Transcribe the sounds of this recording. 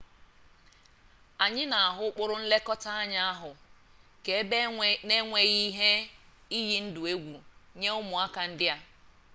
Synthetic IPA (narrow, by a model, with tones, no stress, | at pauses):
a˨ɲɪ˦na˨a˨ɦʊ˦k͡pʊ˦ɾʊ˦n̩˦le˦kɔ˦ta˦a˦ɲa˦a˦ɦʊ˨ | ke˨˦ne˦ŋʷe˦ɣi˦ɦe˦ | i˦ɣi˦n̩˦dʊ˨e˦ɡʷu˨ɲe˦ʊ˦mʊ˨a˦ka˨n̩˦dɪ˦a˦